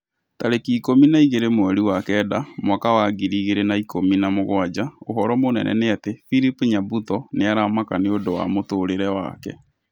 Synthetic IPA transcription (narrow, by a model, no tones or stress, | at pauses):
taɾekiːkominaiɣeɾemoɛɾiwakɛdamwakawaɡiɾiːɣeɾenaikominamoɣwad͡ʑaoɦɔɾɔmonɛ̰nʔɛ̰neatefiɾipɲabutɔneaɾamakaneodowa̰motoːɾeɾɛwa̰kɛ̰